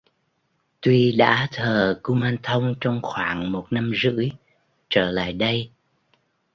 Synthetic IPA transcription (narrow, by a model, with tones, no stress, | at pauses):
t̪wi˧ɗa̰ː˧˥t̪ʰəː˨˩ku˧maː˧nt̪ʰə˧wŋ͡mt͡ɕɔ˧wŋ͡mxwaː˧˩ŋmo˨˩t̚na˧mzɨ̰˧˥əj | t͡ɕəː˧˩la̰ː˧˨jɗə˧j